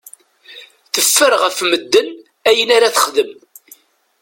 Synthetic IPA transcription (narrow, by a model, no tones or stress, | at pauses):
θəfːəɾʁəfməd̪ːən | æjənaɾaθə̥χðəm